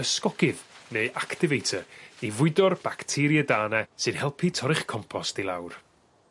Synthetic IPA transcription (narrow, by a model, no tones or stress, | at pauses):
əskɔɡ̥ɪðneɨʔaktɪvejtʰəivʊɨdɔrb̥aktʰɪɾjɛdaːnɛsɨð̥hɛlˠpʰitʰɔɾɪχkʰɔmpʰɔstilˠa̰wr